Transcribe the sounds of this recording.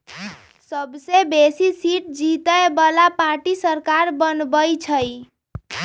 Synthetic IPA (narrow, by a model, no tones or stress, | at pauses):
səbsebesisiʈ̚d͡ʒit̪əebəlapaɾʈisəɾkaɾbənbəjt͡ʃʰəj